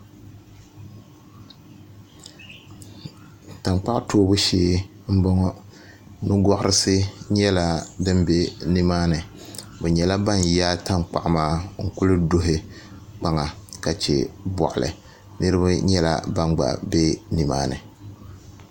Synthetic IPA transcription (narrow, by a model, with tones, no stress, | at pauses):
ta˨mk͡pa˦ʔtoː˦bʊ˦ʃeː˦ | m̩˦bɔ˦ŋɔ˦ | nɨ˦ɡɔ˦ʔʊ˦ɾʔɨ˦sɨ˦ɲɛ˦la˦dɨ˦mbe˦ni˦maː˦nɨ˨ | bɛ˨ɲɛ˨la˦ba˦˨njaː˦ta˦ŋk͡pa̰˨ʔmaː˦ŋ̩˨kʊ˦lɨ˦do˦ɦɪ˦ | k͡pa˦ŋa˨ka˨t͡ʃɛ̰˨bɔ̰˨ʔʊ˨lɨ̰˨ | nɨ˦ɾɨ˦ba˦ɲɛ˦la̰˦˨ba˦nɡ͡ba̰˨be˦ni˨ma̰ː˦nɨ̰˨